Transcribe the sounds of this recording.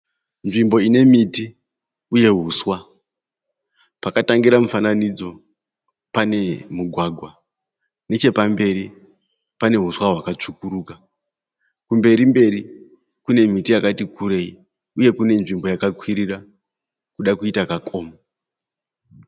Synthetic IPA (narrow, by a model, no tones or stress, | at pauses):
nʐimbo̞ine̞miti | uje̞ɦuswa | pakataŋɡiɾamufananid͡zo̞ | pane̞muɡʱwaɡʱwa | ne̞t͡ʃe̞pambe̞ɾi | pane̞ɦuswaɦwakat͡ʂukuɾuːka | kumbe̞ɾimbe̞ri | kune̞mitijakatikuɾe̞i | uje̞kune̞nʐimbo̞jakakwiɾira | kuɗakuitakakʰo̞ːmo